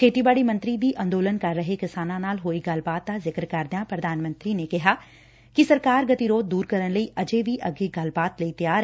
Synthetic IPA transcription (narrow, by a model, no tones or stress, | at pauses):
kʰeːt̪ibaːɽimɐ̃nt̪ɾid̪iʔɐ̃nd̪oːlənkɐɾːəɦekɪsaːnãnaːlɦoːiɡɐlbaːt̪̚ːazɪkɾkɐɾd̪jãpɾɐd̪ʱaːnmə̃nt̪ɾinekɪɦa | kisɐɾkaːɾɡɐt̪iɾoːd͡ʒ̚d̪uːɾkɐɾənləiʔɐd͡ʒeʋiʔɐɡeɡɐlbaːt̪ləit̪ɐjaːɾ